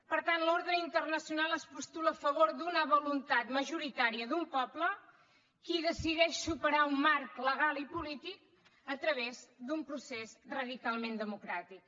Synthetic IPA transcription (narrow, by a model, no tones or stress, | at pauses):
pəɾt̪anloɾðəint̪ərnəsiunalˠəspust̪uləːfəβ̞oɾd̪unəβulunt̪at̪məʒuɾit̪aɾiəðumpɔplə | kiðəsiðɛʃsupəɾaumːaɾkləɣ̞alˠipulit̪ik̚ | ət̪ɾəβezd̪umpɾusezrəðikalˠmend̪əmukɾat̪ik̚